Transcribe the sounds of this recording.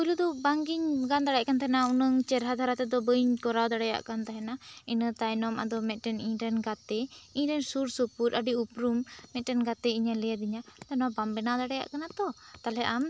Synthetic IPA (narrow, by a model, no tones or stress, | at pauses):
kulud̪ɔbaŋɡiɲɡand̪aɽaʔkant̪aɦɛnaunəŋt͡ʃɛɾɦad̪ʱaɾat̪ɛd̪ɔbəjɲkɔɾawd̪aɽɛja̰ʔkant̪aɦɛnainət̪ajnɔmʔa̰d̪ɔmɛt̪̚ˀʈɛniɲɾɛnɡat̪ɛiɲɾɛnsuɾsupuɾʔaɖiupɾumːɛt̪̚ˀʈɛnɡat̪ɛiɲalɛjad̪iɲat̪anɔwabambɛnad̪aɽɛja̰ʔkanat̪ɔt̪alɛʔam